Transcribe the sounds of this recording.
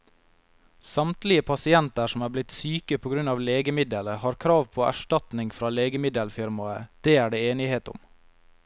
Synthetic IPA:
sɑmt̪lɪəpʰɑsɪɛnt̪əʂɔmæːblɪt̪syːkəpʰoːɡɾʉnɑːʋleːɡəmɪd̪ələhɑːɾkʰɾɑːʋpʰoːʔæ̰ʃʈɑt̪nɪŋfɾɑːleːɡəmɪd̪əlfɪɾmɑəd̪̥eːæːɖeːeːnɪheːt̪ʊ̰m

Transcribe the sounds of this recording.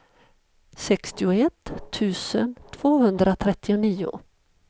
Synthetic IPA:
sɛkst̪ɪʊɛt̪ʰːʉ̟ːsə̰nt̪ʰv̥oːɦɵnd̪ɾat̪ʰɾɛt̪ːɪʊniːʊ̰

